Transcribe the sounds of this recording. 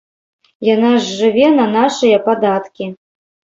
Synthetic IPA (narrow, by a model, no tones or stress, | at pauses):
janaʐːɨvʲɛnɐnaʂɨjɐpad̪at̪kʲi